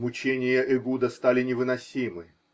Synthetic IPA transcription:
mʊt͡ɕenʲɪjəʔɪɡud̪əst̪alʲɪnʲɪvɨnɐsʲimɨ

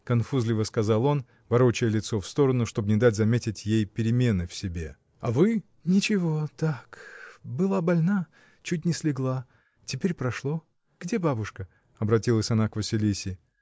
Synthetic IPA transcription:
kɐnfuzlʲɪvəskɐzalˠo̞n | vɐɾo̞t͡ɕɪjəlʲɪt̪so̞fst̪o̞ɾənʊʂt̪o̞bnʲɪd̪atʲzɐmʲetʲɪtʲjejpʲɪɾʲɪmʲe̞nɨfsʲɪbʲe̞ | ɐvɨ | nʲɪt͡ɕɪvo̞t̪akbɨlˠabɐlʲna | t͡ɕutʲnʲɪsʲlʲɪɡlˠa | tʲɪpʲeɾʲpɾɐʂlˠo̞ | ɡ̥dʲe̞babʊʂkə | ɐbɾɐtʲilˠəsʲɐnakvəsʲɪlʲisʲɪ

